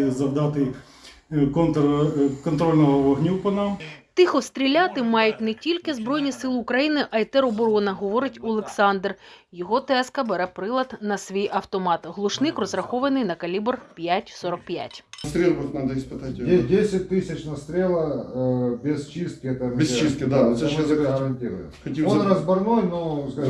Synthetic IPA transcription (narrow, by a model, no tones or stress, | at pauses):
zɐwd̪ɑt̪ɪj | kɔnt̪kɔnt̪ɾolʲnɔɦɔʋɔɦnʲupɔnamt̪ɪxɔst̪ɾʲilʲat̪ɪmɑjʊtʲnɛtʲilʲkɪzbɾɔjnʲisɪlˠukɾɐjinɪʔɐjt̪ɛɾɔbɔɾɔnɐɦɔʋɔɾɪtʲɔlˠeksɑnd̪rjɔɦɔt̪ɛskɐbeɾɛpɾɪlˠɐt̪nɐsʋʲijʔɐwt̪ɔmɑt̪ɦlˠʊʃnɪkrɔzrɐxɔʋɐnɪjnɐkɐlʲibrpʲjatʲsɔɾɔk̚pʲja̰tʲst̪ɾʲelˠbɐxnad̪ɐispɨt̪atʲdʲesʲɪt̚ʲt̪ɪsʲɪt͡ʃnɐst̪ɾʲelˠɐ | bʲɪst͡ʃist̪̚kʲɪɛt̪ɐnbʲɪst͡ʃist̪kʲɪd̪at̪sɛʃɛzɦɐɾɐnʲtʲiɾʊ̰ | xɔtʲiwonrɐzbɐrnojno